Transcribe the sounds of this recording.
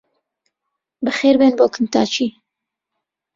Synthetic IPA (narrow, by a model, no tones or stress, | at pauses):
bɨxeːɾbenboːkʰɨnt̪a̰ːt͡ʃʰi